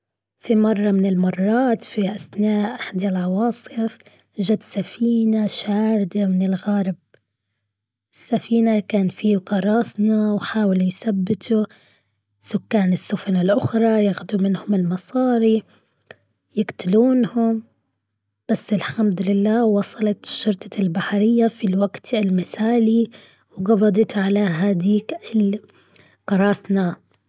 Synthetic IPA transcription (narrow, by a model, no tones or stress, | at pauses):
fimɑrˤːɑmɪnɪlmɑrˤːɑːt̪fiʔasnaːʔʔaħd̪alʕɑwɑːsˤɨf | ʒad̪safiːnaʃaːɾd̪amɪnɪlɣaːɾɪb̚ | ɪsːafiːnakaːnfiːqɑɾˤɑːsnawħaːwɪljsabːɪt̪ʰu | sʊkːaːnɪsːʊfanɪlʔʊxɾˤɑjaxʊd̪umɪnhʊmɪlmɑsˤɑːɾi | jɪɡt̪ɪluːnhʊm | b̥asːɪlħamd̪ʊlɪlːaːwɑsˤɑlɑt̪ʃːʊɾt̪ʰˤɑlbaħɾɪjːafilwaɡt̪ɪlmɪsaːli | wɡɑbɑd̪ˤɑt̪ʕalaɦad̪iːkɪl | qɑɾˤɑːsna